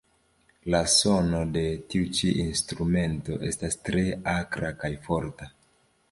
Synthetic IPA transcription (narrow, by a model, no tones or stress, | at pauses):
laso̞no̞de̞tiut͡ʃiʔinstɾume̞nto̞ʔe̞stastɾe̞akɾakajfo̞ɾta